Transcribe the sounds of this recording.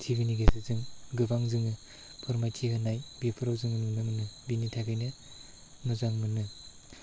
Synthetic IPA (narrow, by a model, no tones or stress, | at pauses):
tʰibiniɡesɯzɯŋɡɯbaŋzɯŋɯ | pʰɯɾmajtʰiɦɯnajbepʰɯɾawzɯŋɯnɯnɯmɯnɯbinitʰaɡajnɯ | mɯzaŋmɯnɯ